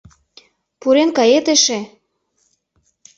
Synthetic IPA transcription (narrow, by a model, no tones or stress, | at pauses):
puɾenkɑjet̪eʃe